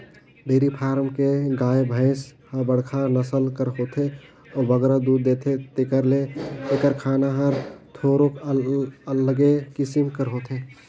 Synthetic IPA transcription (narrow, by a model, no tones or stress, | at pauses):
beːɾipʰaːɾmkeɡaːebʱə̃ɪshəbəɽkʰanəsəlkəɾɦoːt̪ʰe | ɔbəɡɾad̪uːɾd̪eːt̪ʰet̪ekəɾlet̪ekəɾkʰaːnaɦəɾt̪ʰoːɾokələɡekɪsimkəɾɦot̪ʰe